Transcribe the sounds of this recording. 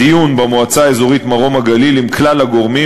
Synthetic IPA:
ijunbemoat͡saːezo̞ʁit̪maʁo̞maɡalilimklalhaɡo̞ʁmi

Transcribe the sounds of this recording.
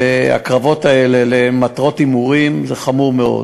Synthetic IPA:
a̰kʁavo̞taele̞lematʁo̞timuʁimzeχamuʁmeo̞̰d

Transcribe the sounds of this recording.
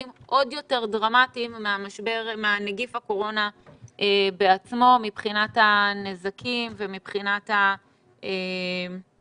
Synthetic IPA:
imʔo̞djo̞te̞ʁdʁamatimːeamaʃbeʁmeaneɡifako̞ʁo̞naʔebeat͡smo̞mipχinatanezakimvemipχinata | e

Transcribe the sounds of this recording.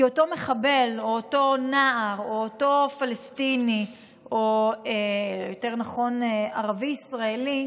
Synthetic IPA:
ioto̞me̞χabe̞loːto̞naʔaʁoːtofalestini | ʔoejote̞ʁnaχo̞nea̰ʁaviisʁaeli

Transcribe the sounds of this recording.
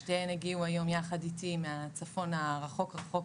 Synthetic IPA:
ʃteeneɡiuajo̞mjaχaditimeat͡safo̞naʁaχo̞kʁaχok

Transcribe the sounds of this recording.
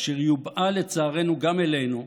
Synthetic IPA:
ʃeʁjubale̞t͡saːʁe̞nuɡamelejnu

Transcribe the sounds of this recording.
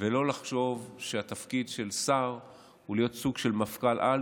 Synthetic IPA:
velo̞laχʃo̞vʃeat̪afkidʃe̞lsaʁ | hulijo̞t̪suɡʃe̞lmafkalʔa

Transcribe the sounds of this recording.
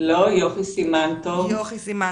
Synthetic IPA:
lojofisimant̪ov

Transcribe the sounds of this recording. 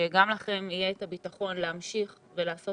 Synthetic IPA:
eɡamlaχe̞mijeːtabitaχo̞nleamʃiχ | velaːso̞

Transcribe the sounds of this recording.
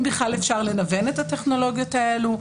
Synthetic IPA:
biχlalefʃaʁle̞nave̞ne̞thateχno̞lo̞ɡjo̞t̪aelu

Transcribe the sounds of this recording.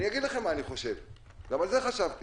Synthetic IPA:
nijaɡid̪laχe̞maːniχo̞ʃe̞v | ɡamalzeχaʃavt̪

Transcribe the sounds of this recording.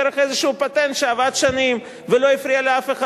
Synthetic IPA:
eɾeχezeʃuupat̪ent̪ʃeavad̪ʃanim | velo̞ifɾialeafe̞χa

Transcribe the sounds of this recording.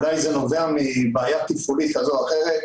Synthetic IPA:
lajzeno̞ve̞amibeːjat̪ifulit̪kazoaχeʁet̪

